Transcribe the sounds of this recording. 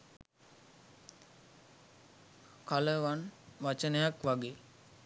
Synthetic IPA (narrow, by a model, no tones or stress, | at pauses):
kaləʋanʋat͡ʃənəjakʋaɡeː